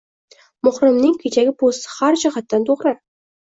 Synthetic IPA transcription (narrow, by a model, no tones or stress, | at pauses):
mʊhɾɪmnɪŋkʰʲet͡ʃʰaɡʲɪpʰost̪ɪ̥haɾd͡ʒɪχat̪ːant̪ʰoʁɾɪ